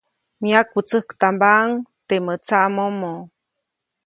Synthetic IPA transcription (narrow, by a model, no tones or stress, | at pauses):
miak̚ut͡səhkt̪ambaʔŋt̪emət͡saʔmomo